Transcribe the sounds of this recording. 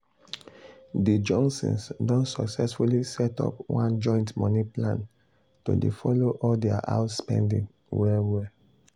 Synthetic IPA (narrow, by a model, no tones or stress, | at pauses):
did͡ʒɔ̃ŋksɔ̰̃nsdõntsɔksɛsfulisɛtɔ̰pwã̰nd͡ʒɔ̃ɪ̃ntmɔniplãn | to̰dḛfɔloʔɔldɛa̰ʔa̰ʊtspɛ̰̃ndḭ̃ŋ | wɛwɛ